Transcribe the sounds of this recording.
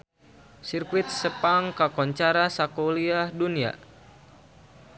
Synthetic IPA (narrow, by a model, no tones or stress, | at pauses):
sirkuɪt̪̚səpaŋkakɔɲt͡ʃaɾasakoliahdunia̰